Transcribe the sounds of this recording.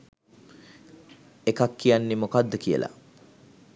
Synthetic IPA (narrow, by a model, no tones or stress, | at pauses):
ekakːijanːemokad̪ːəkijə̰lʔa̰